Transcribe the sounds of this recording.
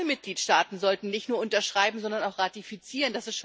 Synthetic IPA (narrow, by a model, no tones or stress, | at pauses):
əmɪt̚ɡ̥liːtʃtaːtn̩zɔltn̩nɪçtnuːɐʔʊntɐʃʁ̥aɪbm̩zɔndɐnaʊxʁatifit͡siːʁənd̥asɪstʃ